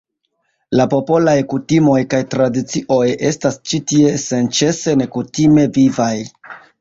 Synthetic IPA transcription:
lapo̞po̞lajkutimo̞jkajtɾadit͡siʔo̞je̞stast͡ʃitie̞se̞nt͡ʃe̞se̞ne̞kutime̞vivaj

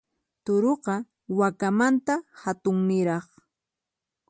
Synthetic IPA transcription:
t̪ʊɾoqɑ | wakamant̪ahat̪ʊŋnɪɾɑχ

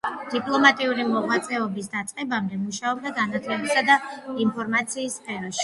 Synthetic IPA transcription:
d̪̥ipʼlˠɔmat̪ʼiuɾimɔʁwat̪sʼɛɔbis̬d̪at̪sʼqʼɛbamd̪ɛmuʃaɔb̚d̪aɡanat̪ʰlɛbisad̪ainpʰɔɾmat̪sʰiːspʰʼɛɾɔʃi̥

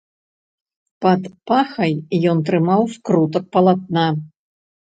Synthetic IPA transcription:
pɐt̪paxɐjjɔnt̪̬ɾɨmawskɾut̪ɐk̚pɐlˠat̪̚na

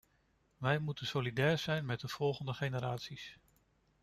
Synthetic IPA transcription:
ʋɛjmutənsolidɛːɹz̥ɛjnmɛt̚dəv̥ɔlˠχəndəχejnəɾaːtsis

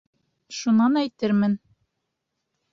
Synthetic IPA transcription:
ʃunɑnæjt̪ɘɾmɘn

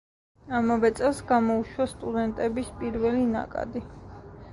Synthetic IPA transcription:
amavɛt̪sʼɛlˠsɡamɔuʃwast̪ʼud̪ɛnt̪ʼɛbispʼiɾvɛlina̰kʼa̰d̪i

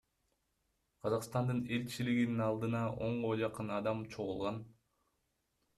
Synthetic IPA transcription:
qʰɑzɑqst̪ɑnd̪ɯne̞lt͡ʃiliɡininɑlˠd̪ɯnɑʔo̞ɴʁod͡ʒɑqɯnɑd̪ɑmt͡ʃʰo̞ʁulˠʁɑn

